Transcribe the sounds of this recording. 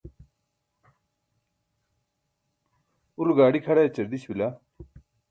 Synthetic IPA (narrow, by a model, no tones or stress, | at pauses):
uɾuɡaːɽikʰɐɽaet͡ɕɐɾd̪iɕbila